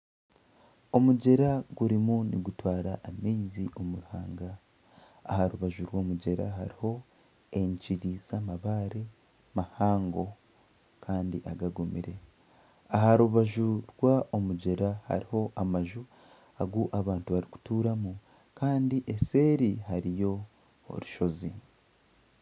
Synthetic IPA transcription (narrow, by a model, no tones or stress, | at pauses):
o̞muɟe̞ɾaɡ̥uɾimunḭɡutwaːɾaʔːmiːziʔo̞muɾuhaːŋɡa | ahaɾuβaʒuɾwo̞ːmuɟe̞ɾa̰ɦaɾiho̞ | e̞ɲciɾiz̥amaβaːɾe | mahaːŋɡo̞ | kʰaːndiʔaɡaɡumiɾe̞ | aɦaɾuβaʒuɾwaʔomuɟe̞ɾaha̰ɾiho̞ʔamaʒu | aɡuʔaβaːntuβaɾiku̥tuːɾamu | kaːndiʔe̞se̞ːɾiɦaɾijo̞̰ː | ɾuʃo̞zi